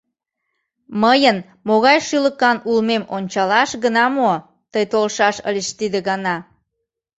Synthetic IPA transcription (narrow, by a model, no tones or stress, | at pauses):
məjən | moɣɑjʃyləkɑnulmemonʲt͡ɕɑlɑʃɣənɑmo | t̪əjt̪olʃɑʃə̰lʲeʃt̪id̪eɣɑnɑ